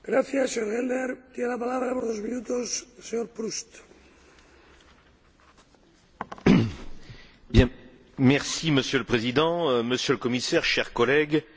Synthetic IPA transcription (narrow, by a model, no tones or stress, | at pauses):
ɡɾaθjasːeɲoɾɣelneɾt̪jenelapalaβɾapoɾðozmĩnut̪osseɲoɾpɾust̪ | bjɛ̃ | mɛʁsiməsjøləpχezid̪ɑ̃məsjøləkɔmisɛʁʃɛʁkɔlɛɡ